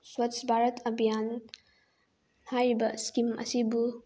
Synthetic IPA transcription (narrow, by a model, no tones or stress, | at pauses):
swatsbʱaɾɐtʰɐbʱijan | hajɾibɐskimɐ̰sibu